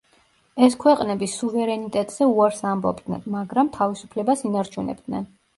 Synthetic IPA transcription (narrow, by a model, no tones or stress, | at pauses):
ɛskʰwɛqʼnɛbisuvɛɾɛnit̪ʼɛt̪ʼz̥ɛuaɾsambɔ̰bd̪nɛ̰nmaɡɾamt̪ʰavisu̥pʰlɛbasinaɾt͡ʃʰunɛ̰b̚d̪nɛ̰n